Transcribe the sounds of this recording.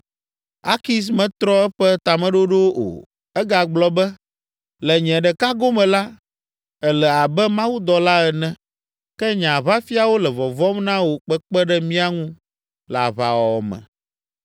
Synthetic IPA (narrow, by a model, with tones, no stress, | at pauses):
a̰˦ki˦s̬mɛ̃˨t̪ɾɔ˦ɛ˦ɸɛ˦t̪a˨mɛ̃˦ɖo˦ɖo˦ʔo̰˨ | ɛ˦ɡa˨ɡ͡blɔ˦bɛ˦ | lɛ˨ɲɛ̃˨ɖɛ˨ka˦ɡo˦mɛ̃˨la˦ | ɛ˨lɛ˨a˨bɛ˦mã˦wu˦d̪ɔ˨la˦ɛ˨nɛ̃˦ | kɛ˦ɲã˨βa˦fi˦a˨wo˦lɛ˨vɔ˨vɔ˦mnã˦wo˨k͡pɛ˦k͡pɛ˦ɖɛ˦mĩ˦a˦ŋũ˦ | la̰˨βa̰˨wɔ˨ɔ̰˨mɛ̰̃˨